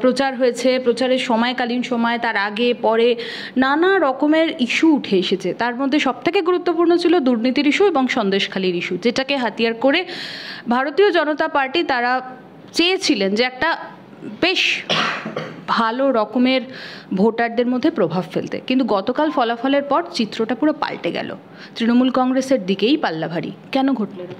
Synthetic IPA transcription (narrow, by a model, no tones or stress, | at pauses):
pɾot͡ɕaɾɦoet͡ɕʰepɾot͡ɕaɾeɾʃɔmɔekalinʃɔmɔet̪aɾaɡepɔɾe | nanaɾɔkomeɾiʃuuʈʰeeʃet͡ɕʰet̪aɾmod̪ʱːeʃɔb̚t̪ʰekeɡuɾut̪ːopuɾnot͡ɕʰilod̪uɾnit̪iɾiʃueboŋʃɔnd̪eʃkʰaliɾiʃud͡ʑeʈakeɦat̪ijaɾkoɾebʱaɾot̪iod͡ʑɔnot̪apaɾʈit̪aɾa | t͡ɕeet͡ɕʰilend͡ʑeɛk̚ʈa | beʃ | bʱaloɾɔkomeɾbʱoʈaɾ̚d̪eɾmod̪ʱːepɾobʱabfḛlt̪ḛkint̪uɡɔt̪okalfɔlafɔleɾpɔɾt͡ɕit̪ːɾoʈapuɾopa̰lʈeɡɛ̰lo̰ | t̪ɾinomulkɔŋɡɾeseɾd̪ikejpalːabʱaɽḭkɛnoɡʱoʈlen